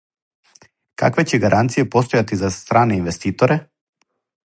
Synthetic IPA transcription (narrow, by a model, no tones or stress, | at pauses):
ka̰kvɛcɛɡaɾʔant̪sijɛpɔst̪ɔjat̪izast̪ɾanainvɛst̪it̪ɔɾɛ